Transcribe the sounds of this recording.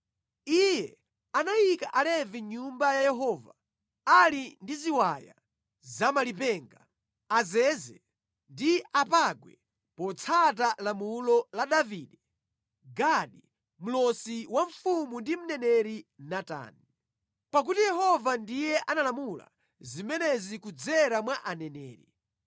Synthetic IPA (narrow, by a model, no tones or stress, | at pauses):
ijɛ | anajikaʔalɛviɲumbajajɛɦɔːva̰ | alindiziwaja̰ | zamalipɛŋɡa | azɛzɛ | ndiapaɡwɛ | pɔt͡sʰat̬alamulɔlaɗaviːɗɛ | ɡaɗi | m̩lɔsiwaɱ̩fumundim̩nɛnɛɾinata̰ːni | pak̬utijɛɦɔvandijɛʔanalamula̰ | zimɛnɛzikud͡zɛɾamwaʔanɛnɛ̰ːɾḭ